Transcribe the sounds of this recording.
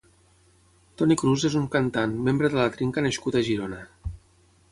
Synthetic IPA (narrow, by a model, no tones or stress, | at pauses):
t̪ɔnikɾuzezuŋkənt̪anmembɾəðələt̪ɾiŋkənəʃkut̪əʒiɾonə